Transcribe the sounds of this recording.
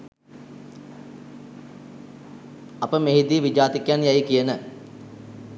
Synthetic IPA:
apəmeɦid̪iʋid͡ʒaːt̪ikjanjajkijənə

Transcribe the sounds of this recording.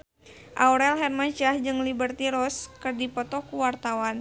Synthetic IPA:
ʔauɾɛlɦɛrmat͡ʃahd͡ʒɨŋlibərt̪iɾɔskɨrdipɔt̪ɔkuwart̪awan

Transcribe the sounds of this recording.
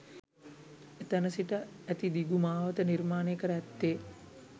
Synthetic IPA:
et̪ənəsiʈəæt̪id̪iɡumaːʋət̪ənirmaːnekəɾəɛt̪ːeː

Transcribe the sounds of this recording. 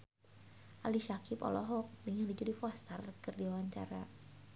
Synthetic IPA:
ʔaliʃakʰipɔ̰lɔɦɔk̚diŋandid͡ʒudifɔst̪ərkɨrdiwawaɲt͡ʃa̰ɾa

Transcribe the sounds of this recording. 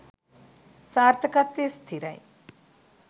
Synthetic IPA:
saːɾt̪ʰɐkɐt̪ːist̪ʰiɾɐ̰j

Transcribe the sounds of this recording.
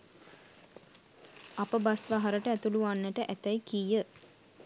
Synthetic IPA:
apəbasʋaɦaɾəʈəæt̪uluʋanːəʈəʔæt̪æjkijə

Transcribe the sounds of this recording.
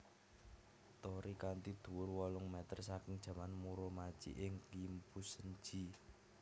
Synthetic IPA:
t̪ɔɾikant̪id̪̥ṳwʊrwɔlʊŋmɛt̪ərsakɪŋd̥ʒ̥ä̤manmuɾɔmat͡ʃḭʔɪŋkimpusəɲd͡ʒi

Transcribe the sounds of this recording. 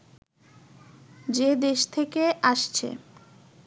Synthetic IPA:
d͡ʑed̪eʃt̪ʰekeʔaʃt͡ɕʰḛ

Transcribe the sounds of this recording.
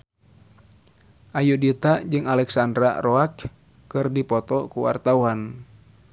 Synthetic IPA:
ʔajudit̪ad͡ʒɨŋalɛksandɾa̰rɔak | kɨrdipɔt̪ɔkuwa̰rt̪awan

